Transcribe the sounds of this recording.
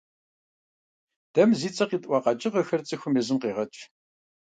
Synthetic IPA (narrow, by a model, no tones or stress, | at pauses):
d̥ɐmziːt͡sʼɐqiːtʼʷɑqɑt͡ʃʼɪʁəxɐrt͡sʼɨxʷʊmɛzɨmqeːʁɐt͡ʃʼ